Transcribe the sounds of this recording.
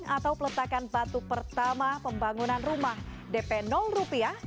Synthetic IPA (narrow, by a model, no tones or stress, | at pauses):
ŋat̪awpələt̪akanbat̪upərt̪amapəmbaŋunanrumah | dɛpɛnɔlrupia